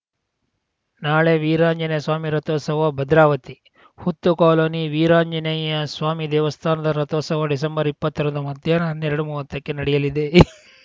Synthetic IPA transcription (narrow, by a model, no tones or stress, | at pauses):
naːɭeʋiːɾaːɲd͡ʒɐnɐɐsʋaːmiɾɐt̪ɔːsɐʋɐbɐd̪ɾaːʋɐt̪i | hut̪ːukaːloːniʋiːɾaːɲd͡ʒɐnɐjɐsʋaːmid̪ɛːʋɐst̪ʰaːnɐd̪ɐɾɐt̪ɔːsɐʋɐɖis̬ɐmbɐɾipːɐt̪ːɐɾɐnd̪umɐd̪jɐnanːeɾɐɽumuːʋɐt̪ːɐkːenɐɽɛjɐlid̪e